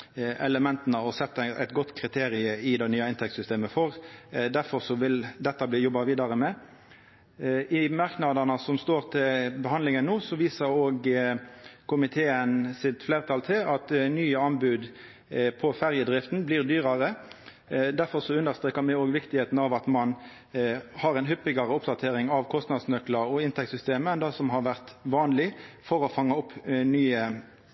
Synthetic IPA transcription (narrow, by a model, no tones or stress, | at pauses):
ʔɛləmɛnt̪nəɔsɛt̪ːəʔɛ̰t̪ɡɔt̪ːkʰʁɪt̪ʰeːʁɪəɪd̪ɛɪnyːɑɪnt̪ʰɛk̚t̪sʏst̪eːməfɔʁd̪æɾfɔʁsɔʋɪld̪ɛt̪ːɑbliːjɔbːɑʋiːd̪ɑʁəmɛ | ʔɪmɑʁknɑd̪ənəsɔmst̪oːʁt̪ʰɪlbəhɑnd̪lɪŋənːuːsɔʋiːsəɾoːɡ | kʊmɪt̪ʰeːənsɪt̪fleːʁt̪ʰɑlt̪ʰɪlɑt̪nyːəɑnbʉːd̪ | pʰɔfæʁjəd̪ʁɪft̪n̩bliːʁd̪yːʁɑʁə | d̪æʁfɔʁsɔʉnd̪əʁst̪ʁeːkɑmɛoːɡʋɪkt̪ɪheːt̪n̩ɑʋɑt̪mɑn | hɑʁɛɪnɦʏpːɪɡɑʁəʊpd̪ɑt̪ʰeːʁɪŋɑʋkʰɔst̪nɑd̪snœklɑɾɔɪnt̪ʰɛk̚t̪sʏst̪eːməɛnd̪ɑsɔmɦɑʁʋæʁt̪ʋɑːnlɪfɔɾɔfɑŋːɑʊpːnyːə